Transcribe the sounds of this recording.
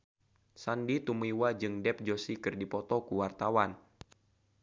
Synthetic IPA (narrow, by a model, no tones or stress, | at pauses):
sandit̪umiwad͡ʒɨŋdɛp̚d͡ʒosikɨrdipɔt̪ɔkuwart̪awan